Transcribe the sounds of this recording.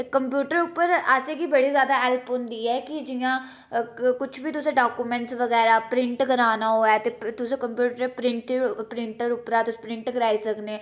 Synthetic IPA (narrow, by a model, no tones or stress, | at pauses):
kəmpjuːʈəɾʊpːəɾaseːɡiːbəɽiːzjaːd̪aːɛːlpɦʊ̃nd̪iːɛːkɪd͡ʒɪjãː | kʊt͡ʃʰbiːt̪ʊsẽːɖaːkuːmɛ̃ɳʈsʋəɡɛːɾaːpɾɪ̃ɳʈɡəɾaːnaːɦoːɛːt̪eːt̪ʊsẽːkəmpjuːʈəɾepɾɪ̃ɳʈpɾɪɳʈəɾʊpəɾaːt̪ʊseːpɾɪ̃ɳʈɡəɾaːiːsəkneː